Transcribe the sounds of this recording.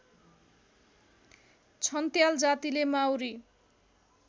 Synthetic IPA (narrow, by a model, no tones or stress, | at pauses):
t͡sʰʌnt̪jald͡zat̪ilemawɾi